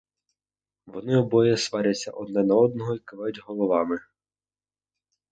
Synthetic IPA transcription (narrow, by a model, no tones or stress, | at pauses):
ʋɔnɪɔbɔjɛsʋɑɾʲɐt͡sʲːɐ̰ʔɔd̪nɛnɐɔd̪̚nɔɦɔikɪʋɑjʊtʲɦɔlˠɔʋɑmɪ